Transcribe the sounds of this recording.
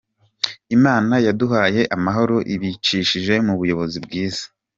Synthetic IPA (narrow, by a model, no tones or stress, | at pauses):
imaːnajaduɦaːje̞ʔamaɦo̞ɾo̞ʔiβit͡ʃiːʃiʒe̞muβujo̞βo̞zibɡiːz̥ḁ